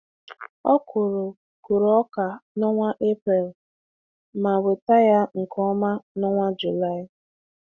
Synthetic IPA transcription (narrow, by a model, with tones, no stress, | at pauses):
ɔ˦kʰʊ˨ɾʊ˨ | ku˨ɾɔ˦ka˨nɔ˦ŋʷa˦ʔe˦pɾe˨l | ma˨we˨ta˦ja˦ŋ̩˨kɔ˦ma˦nɔ˦ŋʷa˦d͡ʒu˨la˦ɪ˨